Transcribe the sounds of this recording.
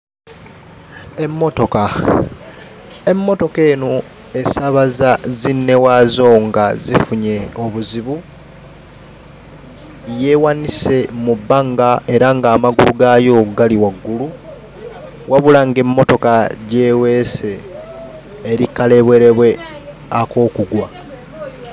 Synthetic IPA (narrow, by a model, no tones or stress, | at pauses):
e̞mːo̞to̞ka | e̞mːo̞to̞ke̞ːno | e̞saβazazinːe̞wazo̞ːŋɡazifuɲe̞oβuziβu | je̞wanise̞mubːaŋɡaʔe̞ɾaŋɡaːmaɡuluɡajo̞ːɡaliwaɡːulu | wʔaβulaŋɡe̞mːo̞to̞kaɟe̞ːwe̞se̞ | ɾikːale̞βwe̞ɾe̞βwe̞ | ako̞ːkuɡwa